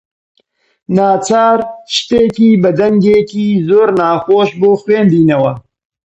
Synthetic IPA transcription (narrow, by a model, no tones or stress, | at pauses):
naːt͡ʃʰaːɾʃt̪eːkiːbɐd̪ɐŋɡeːkiːzoːɾnaːxoːʃboːxweːnd̪iːnɐwɐ